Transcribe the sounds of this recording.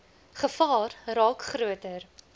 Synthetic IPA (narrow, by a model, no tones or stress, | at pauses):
χəfɑːrrɑːkχɾuətər